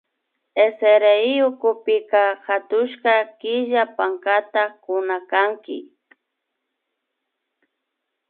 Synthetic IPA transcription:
eseɾeiʊkʊpɪkahat̪ʊʃkakɪʒapaŋkat̪akʊnakaŋkɪ̰

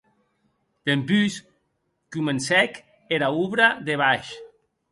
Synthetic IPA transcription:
d̪̥empys | kumensɛk | eɾauβɾaðeβaʃ

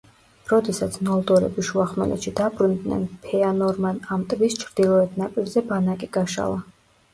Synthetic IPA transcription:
ɾɔd̪ɛsat̪sʰnɔlˠd̪ɔɾɛ̰biʃuaχmɛ̰lɛ̰t̪ʃid̪abɾund̪nɛ̰npʰɛanɔɾmanamt̪ʼvist͡ʃʰɾd̪̥ilˠɔɛt̪ʰnapʼiɾzɛbanakʼiɡaʃa̰lˠa

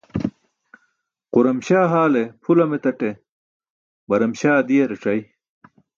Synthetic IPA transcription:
quɾɐmɕaːɦaːlepʰulɐmet̪ɐʈe | bɐɾɐmɕaːd̪ijɐɾeʈ͡ʂɐj

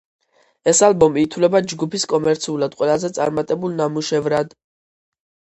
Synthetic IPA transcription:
ɛsalˠbɔmiːt̪ʰwlɛbad͡ʒɡupʰiskʼɔmɛɾt̪sʰiulad̪̥qʼwɛlazɛt̪sʼa̰ɾmat̪ʼɛbulˠnamuʃɛvɾad̪̥

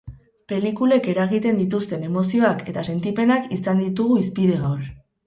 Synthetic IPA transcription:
pe̞likule̞ke̞ɾaɣit̪e̞nd̪it̪ust̪e̞ne̞mo̞sio̞ake̞t̪ase̞nt̪ipe̞nakisand̪it̪uɣ̞uispiðe̞ɣawr

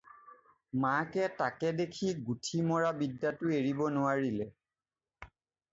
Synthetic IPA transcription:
makɛtakɛdekʰiɡutʰimɔɹabidːatʊeɹibɔnʊaɹilɛ

